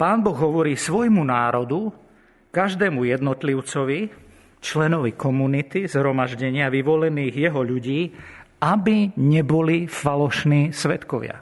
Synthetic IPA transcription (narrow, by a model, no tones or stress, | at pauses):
paːnbɔɣɦɔʋɔɾiːsʋɔjmunaːɾɔd̪u | kaʒd̪ɛːmujɛd̪nɔt̪liʊt͡sɔʋi | t͡ʃlɛnɔʋikɔmunit̪izɦɾɔmaʒɟɛɲɪaʋiʋɔlɛniːɣjɛɦɔʎuɟiːʔabiɲɛbɔlifalɔʃniːsʋɛt̪kɔʋɪa̰